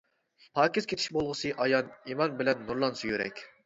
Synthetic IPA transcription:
pʰɑːkʲizkʲʰet̪ʰi̥ʃbolˠʁəsɨʔɑjɑnimɑnbɪlɛnːuɾlˠɑnsujyɾɛ̰kʲ

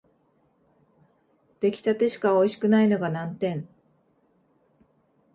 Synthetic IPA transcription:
d̪̥e̞kʲi̥t̪at̪e̞ɕi̥kao̞iɕi̥kɯ̟naino̞ɡanãnt̪ẽ̞n

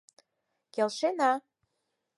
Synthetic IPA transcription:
kelʃenɑ

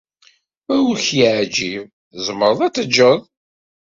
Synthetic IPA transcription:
æwuçiʕd͡ʒiv | zəmːəɾˤəðˤæt͡sːəd͡ʒːəðˤ

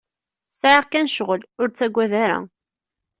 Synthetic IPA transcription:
sʕəʁkænʃʁəlʊɾt͡sːæɡʷːæðæɾæ̰

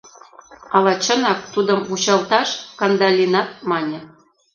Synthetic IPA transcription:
ɑlˠɑt͡ɕɤ̆nɑk̚t̪ud̪ɤ̆mut͡ɕɑlˠt̪ɑʃkɑnd̪ɑlʲinɑt̪̚mɑnʲɤ̆

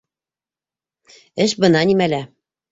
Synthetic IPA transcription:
ɘ̆ʃbɤ̆nɑnʲimælæ

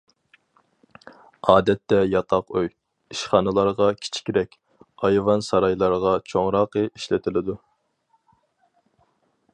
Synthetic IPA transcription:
ɑːd̪ɛt̪ːɛjɑt̪ʰɑqøj | iʃχɑːnɨlˠɑɾʁɑkʲʰi̥t͡ʃʰi̥kʲiɾɛkʲ | ɑjvɑnsɑɾɑjlˠɑɾʁɑt͡ʃʰoŋɾɑːqəiʃlɪt̪ʰɪlɪd̪u

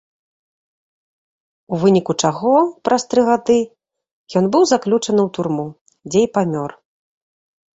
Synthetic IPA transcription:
uvɨnʲikut͡ʂaɣɔpɾʔast̪ɾɨɣad̪ɨ | jɔn̪bɨwzaklʲut͡ʂɐnɨwt̪urmu | d͡zʲejpamʲɔr

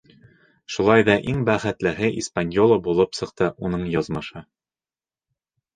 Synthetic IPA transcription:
ʃulˠɑjðɑʔiŋbæχæt̪lɘ̆ɦɘʔispanʲjolˠəbulˠɤpsɤ̆q̚t̪ɤʔunɤɴjɒzmɑʃɤ

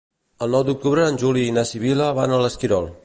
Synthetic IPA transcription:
əlˠnɔwd̪uk̚t̪uβɾəːnʲʒuliːnasiβ̞iləβanələskiɾɔlˠ

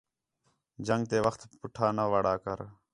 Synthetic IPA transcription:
d͡ʒəŋɡ̚t̪eːʋəxt̪pʊʈʰaːnəʋəɽaːkəɾ

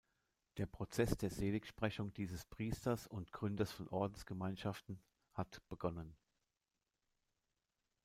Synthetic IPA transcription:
d̥eːɐpʁ̥ot͡sɛsd̥eːɐzeːlɪkʃpʁ̥ɛçʊŋdiːzəspʁ̥iːstɐsʊntɡ̥ʁʏndɐsfɔnʔɔɐdn̩sɡ̥əmaɪnʃaftn̩ | hatb̥əɡɔnən

